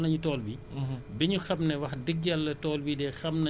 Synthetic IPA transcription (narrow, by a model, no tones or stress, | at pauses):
nɐɲutɔːlbibɛɲuxɐmnɛwɐxdiɡːɐlːɐtɔːlbidɛxɐmnɐ